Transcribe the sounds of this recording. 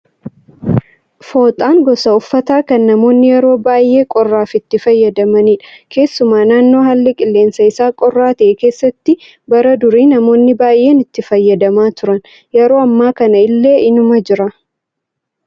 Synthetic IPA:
fo̞ːt̪ʼaːŋɡɔsɐʊfːɐt̪aːkɐnːɐmo̞ːnːɪjɛɾo̞ːbaːjʔe̞ːkʼɔrːaːfɪt̪ːɪfɐjːɐd̪ɐmɐniːᶑɐ̥kʰe̞ːsːʊmaːnaːnːo̞ːɦɐlːɛkʼɪlːe̞ːnsɐɪsaːkʼɔrːaːt̪ɐʔɛke̞ːsːɐt̪ːɪ | bɐɾɐd̪ʊɾiːnɐmo̞ːnːɪbaːjʔe̞ːnɪt̪ːɪfɐjːɐd̪ɐmaːt̪ʊɾɐn | jɛɾo̞ːɐmːaːkɐnɐɪlːe̞ːʔɪnʊmɐd͡ʒɪɾɐ

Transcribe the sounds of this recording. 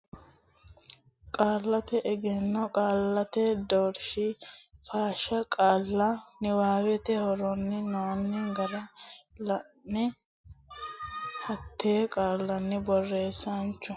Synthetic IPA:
kʼaːlːɐt̪ɛʔɛɡɛnːɔkʼaːlːɐt̪ɛd̪ɔɾʃɪfaːʃɐkʼaːlːɐnɪwaːwɛt̪ɛhɔɾɔnːɪnoːnːɪɡɐɾɐlɐnːɪ | hɐt̪ːeːkʼaːlːɐnːɪbɔrːe̞ːsɐnt͡ʃːʊ

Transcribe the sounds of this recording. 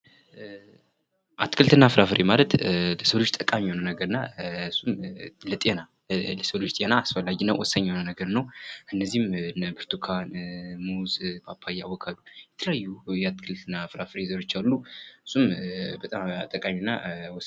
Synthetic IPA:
ʔat̪ːkʰɨlt̪ʰɨnːafɨɾafɨɾemalət̪ləsəlo̞t͡ʃːt̪ʼəkʼamionənəɡəɾɨnːaɨsːumlət̪ʼena | ləsəlo̞t͡ʃt̪ʼenaːsfəlːad͡ʒinːəwɔsːəɲːonənəɡəɾnəwʔɨnːəzihmnbɨɾt̪ʰukʰanmuzbapʰːajːawɔkʰalujɛt̪ʰələjajːujɛat̪ːkʰɨlt̪ʰɨnːafɨɾafɨɾezəɾo̞t͡ʃːalːuɨsːumbət̪ʼamat̪ʼəkʼaminːa̰wɔ

